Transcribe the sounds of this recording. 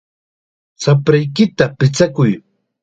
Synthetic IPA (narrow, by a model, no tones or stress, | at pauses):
sapɾajkɪt̪apɪt͡sakʊj